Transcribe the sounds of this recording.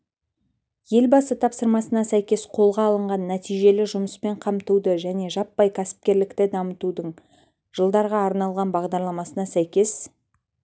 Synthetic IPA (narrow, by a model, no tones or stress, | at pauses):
je̞lbɑsət̪ʰɑpsəɾmɑsənɑsæjkʲe̞sqʰo̞lˠʁɑːlˠəɴʁɑnːæt̪ijʒe̞lɪʒʊməspe̞ɴqʰɑmt̪ud̪əʒæne̞ʒɑpːɑjkʲʰæsɪ̥p̚kʲe̞ɾlɪkt̪ɪd̪ɑmət̪ud̪əɴ | ʒ̥əlˠd̪ɑɾʁɑːɾnɑlˠʁɑnbɑʁd̪ɑɾlˠɑmɑsənɑsæjkʲe̞s